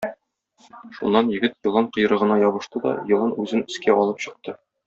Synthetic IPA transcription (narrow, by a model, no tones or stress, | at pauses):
ʃṵnːɑnjɘ̆ɡɘt̪jɤ̆lˠɑɴqɤ̆j̆ɾɤ̆ʁɤ̆nɑjɒβɤ̆ʃt̪ɤd̪ɒ̰jɤ̆lˠɤnʉzɘnɘ̆skæʔɒlˠɤpɕɤ̆q̚t̪ɤ